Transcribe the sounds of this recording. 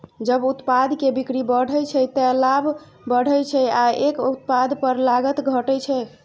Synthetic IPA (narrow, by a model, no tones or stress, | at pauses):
d͡ʒəbut̪pad̪kebikɾibəɽ̤ʱəjt͡ʃʰɛt̪əlab | bəɽ̤əjt͡ʃʰɛaekut̪̚pad̪pəɾlaɡət̪ɡʱəʈət͡ʃʰɛ